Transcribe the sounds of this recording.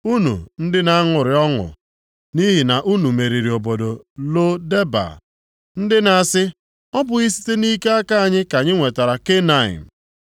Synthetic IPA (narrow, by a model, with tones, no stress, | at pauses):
u˦nṵ˨n̩˦dɪ˦na˨˦a˦ŋʊ˨ɾɪ˨˦ɔ˦ŋʊ̰˨ | ni˦ɦi˨na˨ʔu˦nu˨me˨ɾi˨ɾi˨o˨bo˨do˨ | lo˦de˦ba̰˨ | n̩˦dɪ˦na˨a˨sɪ˦ | ɔ˦bʊ˨ɣi˦si̥˦te˦ni˦ke˦a˦ka˦a˨ɲɪ˦ka˨ɲɪ˦ŋʷe˨ta˨ɾa˨ke˦na˨ɪ̰˨m̩˨